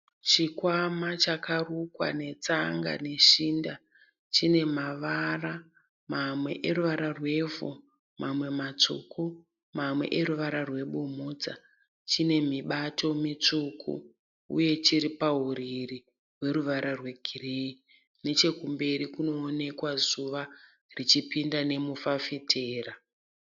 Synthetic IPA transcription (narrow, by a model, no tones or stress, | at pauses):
t͡ʃikwamat͡ʃakarukwa̰ne̞t͡saŋɡa̰ne̞ʃiːnda | t͡ʃine̞maʋara | mamwe̞̰ʔeruʋaɾarwe̞vo̰ | mʔamwe̞mat͡ʂṵku | mamwe̞̰ʔeɾuʋaɾarwe̞ɓumud͡za̰ | t͡ʃine̞miɓato̞mit͡ʂukʰṵ | ṵje̞t͡ʃiɾipaɦuɾiri | we̞ɾuʋaɾʔarwe̞ɡʱirei | ne̞t͡ʃe̞kumbe̞ɾikuno̞ːne̞kwazuʋa | rit͡ʃipindane̞mufafitʰeːra